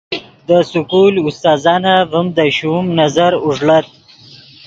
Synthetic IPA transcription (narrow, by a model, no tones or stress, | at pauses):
d̪əsʊkulʊst̪ɑːzɑːnavəmd̪əɕumnazaɾʊʐlat̪̚